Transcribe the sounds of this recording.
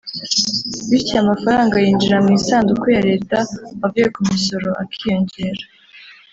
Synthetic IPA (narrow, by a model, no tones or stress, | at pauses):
βiɾtiamafaɾaːŋɡajiːnd͡ʒiɾamŋiːsaːndukujaɾe̞ːtaβavekumiso̞ɾo̞ʔakʰijo̞ɲɟe̞ːɾa